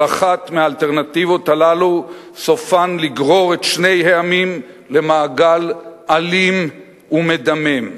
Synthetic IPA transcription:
aχat̪meaːlt̪eʁnat̪ivo̞thalalu | so̞fanliɡʁo̞ʁet̪ʃne̞jheamim | le̞maːɡalʔalim | ume̞d̪amem

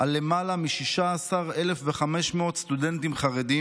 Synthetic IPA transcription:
alemalamiʃiʃaːsaʁe̞le̞fveχameʃmeo̞t̪st̪udent̪imχaʁedi

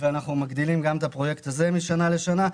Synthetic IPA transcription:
veanaχnumaɡd̪ilimɡamet̪apʁo̞je̞kt̪aze̞miʃanale̞ʃana

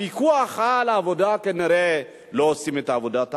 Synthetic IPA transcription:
ikuaχalaːvodakeniɾe | loosimet̪aːvodat̪

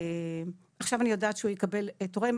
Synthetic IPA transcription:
aχʃavanijo̞daːtʃeujekabeletoʁem

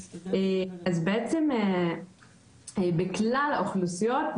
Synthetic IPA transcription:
eazbeet͡seme | beklalaoχlusijo̞t

